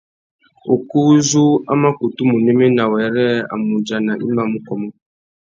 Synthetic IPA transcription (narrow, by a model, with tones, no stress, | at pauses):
o˨ku˦zu˦a̰˦ma˦ku˨tu˦mu˨ne˦me˦na˨wɛ˨ɾɛ˦a̰˨mu˨d͡ʒa˨na˨ʔḭ˦ma˨mu˦kɔ˨mɔ˦